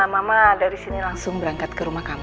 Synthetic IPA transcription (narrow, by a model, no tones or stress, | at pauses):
amamadaɾisinilaŋsʊŋbəɾaŋkat̪̚kəɾumahkama